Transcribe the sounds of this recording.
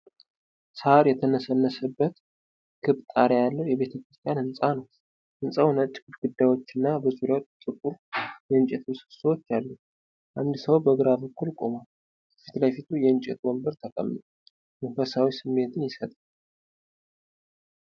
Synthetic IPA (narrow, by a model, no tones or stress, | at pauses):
saɾjɛt̪ʰənəsənːəsəbːət̪ | kʰɨβt̪ʼaɾejalːəwjɛβe̞t̪ʰəkɾɨst̪ʰijanhɨnsʼanəw | hɨnsʼəwnət͡ʃ̪ʼːkuɾɡud̪ːajwo̞t͡ʃːɨnːabəzuɾjawt͡ʃt̪ʼɨkʼuɾjɛɨnt͡ʃʼɛt̪ʰsɨ̥səwot͡ʃːalːu | ʔand̪səwbəɡɨɾabəkːulkʼomal | fit̪lajfit̪ʰujɛɨnt͡ʃʼɛ̰t̪wombəɾt̪ʰəkʼə̰mnə | məfəsawisɨmːe̞t̪ʰɨnjɪsət̪ʼal